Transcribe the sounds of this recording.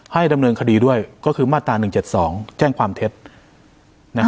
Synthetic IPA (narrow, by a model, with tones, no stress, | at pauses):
ha˥˩jda˧mnɤː˧nkʰa˧diː˧du˥˩əjkɔː˥˩kʰɯː˧maː˥˩t̪ːɾaː˧nɯ˨˩ŋt͡ɕe˨˩t̪̚sɔː˩˦ŋt͡ɕɛː˥˩ŋkʰwaː˧mt̪ʰe˦˥t̪̚ | na˦˥